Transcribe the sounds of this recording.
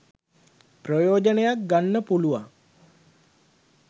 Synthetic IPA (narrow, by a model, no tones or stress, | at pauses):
prəjoːd͡ʒənejak̚ɡanːəpuluʋa̰ŋ